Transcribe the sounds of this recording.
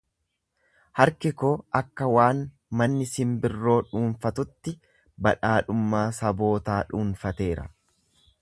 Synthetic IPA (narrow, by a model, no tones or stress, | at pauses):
hɐɾkɪkoːʔɐkːɐwaːn | mɐnːɪsɪmbɪrːo̞ːᶑuːnfɐt̪ʊt̪ːɪ | bɐᶑaːᶑʊmːaːsɐbo̞ːt̪aːᶑuːnfɐt̪e̞ːɾɐ̰